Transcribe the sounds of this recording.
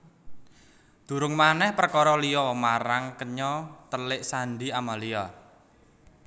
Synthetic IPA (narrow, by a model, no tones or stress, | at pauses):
d̪̥ṳɾʊŋmanɛhpərkɔɾɔlijɔmaɾaŋkəɲɔt̪əlɪʔsanɖiamalia